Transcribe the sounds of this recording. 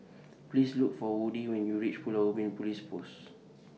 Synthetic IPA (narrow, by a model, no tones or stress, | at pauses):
plisluk̚fɔwudiwɛ̃njuɹit͡ʃpulaubĩnpulispos